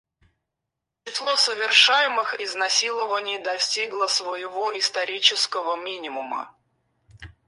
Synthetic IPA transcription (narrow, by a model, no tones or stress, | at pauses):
t͡ɕɪslˠosəvʲɪrʂajɪmɨxɪznɐsʲilˠəvənʲɪjd̪ɐsʲtʲiɡlˠəsvəjɪvoɪst̪ɐɾʲit͡ɕɪskəvəmʲinʲɪmʊmə̰